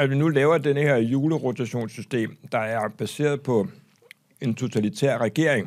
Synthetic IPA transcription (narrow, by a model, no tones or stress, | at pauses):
æʋinulɛːʊɐd̥enəheɐ̰juːləʁot͡sʰæɕo̝̰ːnsysd̥e̝̰ːmd̥ɑ̈æɐb̥æse̝̰ːɐðˠpʰɒ̽ | e̝nt͡sʰo̝t͡sʰælit͡sʰḛɐ̰ʁɛɡ̥e̝ɐ̰eŋ